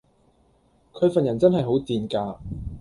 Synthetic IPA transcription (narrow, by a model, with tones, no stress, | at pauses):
kʰɵ˨˧ɥfɐ˨njɐ˨˩nt͡sɐ˥nɦɐ˨jɦo˨˥wt̪iː˨˩nkaː˧